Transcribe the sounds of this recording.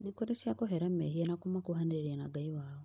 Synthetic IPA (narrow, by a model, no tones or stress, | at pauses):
nekoɾesiakoɦɛɾamɛhienakomakuhaneɾeɾianaɡaiwaːwɔ